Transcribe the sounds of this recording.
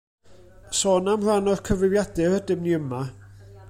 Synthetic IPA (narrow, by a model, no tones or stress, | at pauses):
sɔːnamrwanɔrkʰəvrɪvjadɪhədɪmniəma